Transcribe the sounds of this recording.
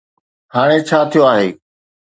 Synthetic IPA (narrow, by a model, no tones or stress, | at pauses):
haːɽ̃et͡ɕʰaːt̪ʰijoaːɦeː